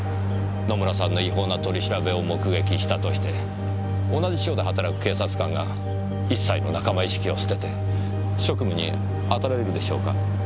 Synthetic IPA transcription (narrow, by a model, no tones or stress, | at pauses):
no̞mɯɾasãnːo̞iɦo̞ːnat̪o̞ɾʲiɕiɾabe̞o̞mo̞kɯ̟ɡe̞kʲiɕi̥t̪at̪o̞ɕi̥t̪e̞ | o̞naʑiɕo̞ːd̪e̞ɦat̪aɾakɯ̟̥ke̞ːsat͡sɨ̥kãŋɡa | isːaino̞nakamaiɕi̥kʲio̞sɨ̥t̪e̞t̪e̞ | ɕo̞kɯ̟mɯ̟ɲ̟ḭ | at̪aɾaɾeɾɯ̟d̪e̞ɕo̞̰ːka